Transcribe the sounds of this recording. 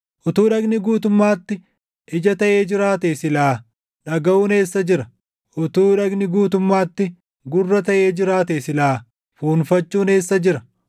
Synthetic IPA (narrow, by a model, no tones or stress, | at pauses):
ʔʊt̪uːᶑɐɡnɪɡuːt̪ʊmːaːt̪ːɪ | ʔɪd͡ʒɐt̪ɐʔeːd͡ʒɪɾaːt̪eːsɪlaː | ᶑɐɡɐʔuːne̞ːsːɐd͡ʒɪɾɐ | ʔʊt̪uːᶑɐɡnɪɡuːt̪ʊmːaːt̪ːɪ | ɡʊrːɐt̪ɐʔeːd͡ʒɪɾaːt̪eːsɪlaː | fuːnfɐt͡ʃːuːne̞ːsːɐd͡ʒɪɾɐ